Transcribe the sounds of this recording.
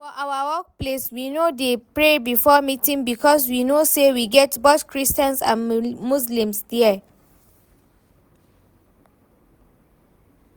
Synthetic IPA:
fɔʔawəwɔk̚pleswinodepɹebifɔmitĩŋbikʰɔs̬winosewiɡɛtbotkʰɹistə̃nsã̰nmus̬lĩmsdɛɛ

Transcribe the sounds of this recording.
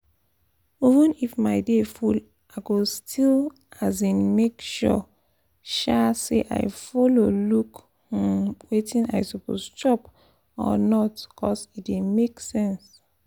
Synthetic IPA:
ivə̃nifmaɪdeful | ʔaɪɡostʰil | azĩnmekʃɔ̰ | ʃasḛʔa̰ɪfɔloluk | hɔ̃mwetĩna̰ɪsopo̰st͡ʃɔp | ɔ̰nɔtkʰɔsitdemeksɛ̃ns

